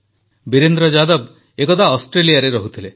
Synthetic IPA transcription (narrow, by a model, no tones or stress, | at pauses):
biɾend̪ɾɔd͡ʒad̪ɔb | ekɔt̪ʰaɔsʈɾeliaɾeɾɔɦut̪ʰile